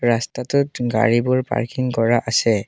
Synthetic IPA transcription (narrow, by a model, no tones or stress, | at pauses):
ɹastatʊtɡa̰ɹibʊɹpa̰ɹkiŋkɔɹaʔasɛ